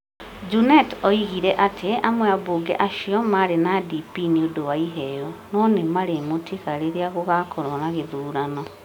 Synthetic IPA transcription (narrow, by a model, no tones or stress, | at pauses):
d͡ʒunɛtɔiɣiɾɛʔatʰeamwɛaβoɡɛ̰ʔaʃiɔmaɾenadipiniodowaiɦɛjɔnɔnemaɾemotʰiɣaɾeɾeaɣoɣakʰɔɾɔnaɣeðuːɾanɔ